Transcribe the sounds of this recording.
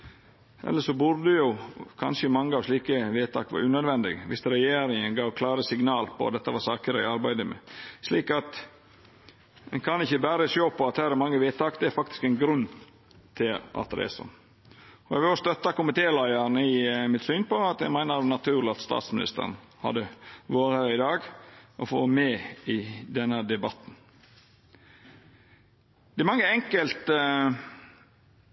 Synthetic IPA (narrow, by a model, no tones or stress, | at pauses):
ʔɛ̰lːəʂɔbʉɾd̪əjʊkʰɑ̰nʂəɪmɑŋːəɑʋʂliːkəʋeːt̪ːɑ̰ːkʋɑ̰ɾʉːnœd̪ʋɛnd̪ɪ̰ɡʋɪst̪ɾɛjeːɾɪŋənɡɑːʋkʰlɑːɾəsɪɡnɑːlpʰɔ̰ɑ̰t̪̚d̪ɛt̪ːəʋɑsɑːkəɾəɛɑɾbæɪd̪əmɛ̰ʂliːkɑt̪ | ɛnkʰɑnɪçːəbæːɾəsjoːpʰɔɑt̪hæːɾɛɾmɑŋːəʋeːt̪ɑːkd̪ɛæɾfɑk̚t̪ɪ̥skɛɪnɡɾʉn | t̪ʰɪlɑ̰t̪ɾḛːsə̰ | ɔɛ̰ɡʋɪlɔst̪œt̪ːɑkʊmɪt̪ʰeːlæɪəɾnəɪmɪt̪syːnpɔɑt̪ɛɡmæɪnəɾnɑt̪ʰʉːɾlɪɑt̪st̪ɑ̰ːt̪smɪnɪ̰st̪ə̰ɾn̩hɑ̰d̪əʋoːɾəhæɾɪd̪ɑːɡʔɔfo̰ːmɛɪd̪ɛnːəd̪ɛbɑt̪n̩ | d̪̥ɛɛɾmɑŋːəɛŋkəlt̪